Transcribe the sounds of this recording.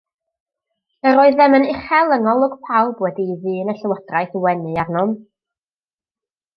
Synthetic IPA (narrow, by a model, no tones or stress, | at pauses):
əɾoːɨðɛmənɪχɛlˠəŋɔlˠʊɡ̥pʰawlˠbwɛdiðɨːnəɬəwəd̥raɨθwɛnɨarnɔm